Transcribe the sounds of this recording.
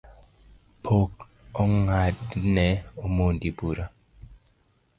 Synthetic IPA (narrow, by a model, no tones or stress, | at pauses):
pʰok | ɔŋadnɛomondibuɾa